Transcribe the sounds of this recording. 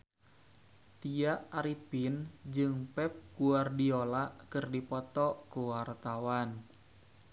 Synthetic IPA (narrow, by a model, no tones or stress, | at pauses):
t̪iaʔaɾipind͡ʒɨŋpɛp̚kuardiolaʔkɨrdipɔt̪ɔkuwart̪awan